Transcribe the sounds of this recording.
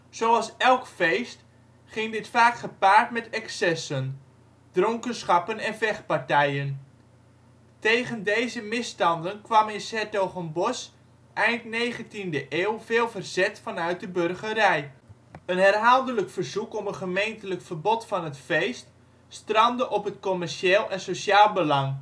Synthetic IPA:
z̥owɑlˠsɛlˠkfejst | χɪŋdɪtfaːkχəpaːrtmɛtɛksɛsən | d̥rɔŋkənsχɑpənɛnvɛχpartɛjən | tejχəndejzəmɪstɑndənkʋɑmɪnsɛtowχɔnbɔs | ʔɛjntnejχəntindəʔeːwveːlˠvərz̥ɛtfɑnœɥt̚dəbørχəɾɛj | ənɦɛrɦalˠdələkfərzukɔmənχəmejntələkfərbɔtfɑnətfejst | strɑndəʔɔpətkomɛrʃeːlˠɛnsosjaːlˠbəlɑŋ

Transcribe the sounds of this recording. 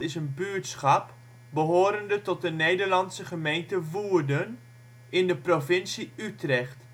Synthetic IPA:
ɪsənbyːətsχɑp | bəɦoːɾəndətɔt̚dənejdəɹlɑnsəχəmejntəʋuːɹdən | ɪndəprofɪnsiytrɛχt

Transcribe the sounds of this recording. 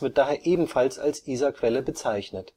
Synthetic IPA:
v̥ɪɐt̚d̥aːɦeːɐʔeːbm̩falsa̰lsʔiːzakv̥ɛləbət͡saɪçnət

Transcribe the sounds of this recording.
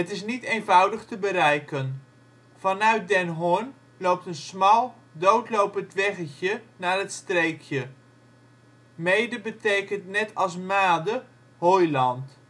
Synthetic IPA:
ətɪs̬nitejnvʌwdəχtəbəɾɛjkən | v̥ɑnœɥt̚dɛnɦʊn | lowp̚tənsmɑlˠ | dowtlowpəntʋɛχəcənaːrətstrejkʰjə | mejdəbətejkəntnɛtʰɑlˠsmaːdə | hojlɑnt

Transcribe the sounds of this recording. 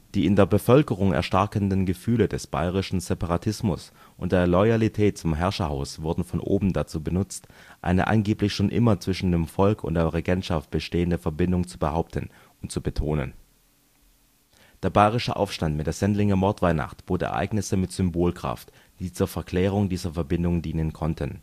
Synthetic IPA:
d̥iːɪndeːɐbəfœlkəʁ̞ʊŋɛ̰ɐʃtaɐkəndənɡəfyːlədɛsb̥a̰ɪʁ̞ɪʃn̩zɛpaʁatʰɪsmʊs | ʔʊ̰nt̚d̥eːɐlɔʏalitʰɛːt̚t͡sʊmɦɛɐʃɐhaʊsv̥ʊɐdn̩fɔnʔo̰ːbm̩dat͡suːbənʊt͡stʔa̰ɪnə̰ʔa̰nɡeːplɪçʃoːnʔɪ̰mɐt͡sv̥ɪʃn̩deːmfɔlkʰʊ̰ntd̥eːɐʁeɡɛntʃaft̚b̥əʃteːəndəfɛɐbɪndʊŋt͡subəhaʊp̚tʰən̩ | ʊnt̚t͡subətʰoːnə̰n | d̥eːɐbaɪʁ̞ɪʃəʔa̰ʊfʃtantmɪtd̥eːɐz̥ɛntlɪŋəɐmɔɐtv̥aɪna̰χtb̥oːtʔɛ̰ɐʔa̰ɪɡnɪsəmɪtz̥ʏmboːlkʁ̥a̰ft | d̥iːt͡suːɐfɛɐkʰl̥ɛːʁ̞ʊŋdiːzɐfɛɐbɪndʊŋdiːnənkʰɔntʰən

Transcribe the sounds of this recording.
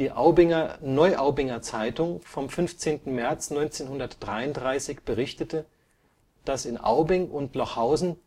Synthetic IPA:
iːʔaʊbɪŋɐnɔʏʔaʊbɪŋɐt͡saɪtʊŋfɔmfʏnft͡seːntn̩mɛɐt͡snɔʏnt͡seːnhʊndɐtd̥ʁaɪʊntdʁaɪsɪçb̥əʁɪçtətʰə | d̥asɪnʔa̰ʊbɪŋʔʊntlɔχhaʊzn̩

